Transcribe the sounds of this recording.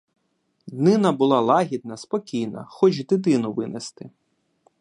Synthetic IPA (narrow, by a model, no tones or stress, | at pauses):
d̪nɪnɐbʊlˠɑlˠɑɦʲid̪̚nɐspɔkʲijnɐ̰xɔt͡ʃd̪ɪt̪̬ɪnʊʋɪnest̪ɪ